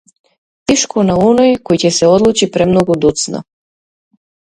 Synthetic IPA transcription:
t̪ɛʃkʰɔnaɔnɔjkɔjcɛsɛɔd̪lˠut͡ʃipɾɛmnɔɡud̪ut̪sna̰

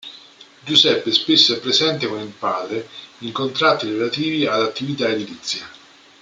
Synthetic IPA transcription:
d͡ʒusɛpːeɛspesːoɛpːɾezɛnt̪ekonilpaːd̪ɾeiŋkont̪ɾat̪ːiɾelat̪iːviad̪at̪ːivit̪aed̪ilit̪sːja

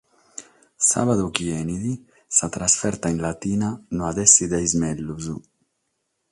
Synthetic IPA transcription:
sa̰βaðokiɛːnid̪i | sat̪ɾasfɛɾt̪ainlat̪iːnanoad̪ɛsːid̪ajzmɛlːuzu

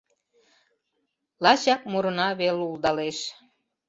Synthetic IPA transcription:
lɑɕɑk̚muɾə̆nɑβeluld̪ɑleʃ

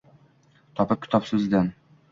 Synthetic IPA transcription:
t̪ʰɒpɪp̚kʲɪ̥t̪ʰɒpsɪzd̪an

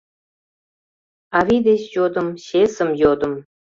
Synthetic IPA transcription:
ɑvid̪et͡ɕjod̪ə̆mɕesə̆mjod̪ə̆m

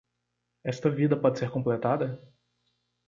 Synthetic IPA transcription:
ɛst̪ɐvid̪ɐpɔd͡ʒɪseɾkõplet̪ad̪ɐ

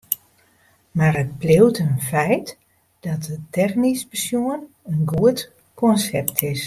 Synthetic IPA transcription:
maɾət̚plɪwtʰənfɛjt | d̥ɔt̚ətʰɛxnisbəsjuən | ənɡuət | kʰɔnsɛp̚tʰɪs

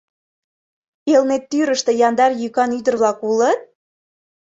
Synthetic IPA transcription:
elnet̪ːyɾəʃt̪ĕjɑnd̪ɑrjykɑnyd̪ərβlɑkulət̪̚

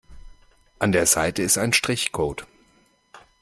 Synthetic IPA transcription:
ʔandeːɐzaɪtəɪstaɪnʃtʁ̥ɪçkʰoːt

